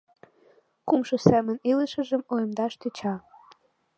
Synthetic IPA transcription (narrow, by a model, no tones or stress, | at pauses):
kumʃosæmə̆niləʃə̆ʒəmojəmd̪ɑʃt̪et͡ɕɑ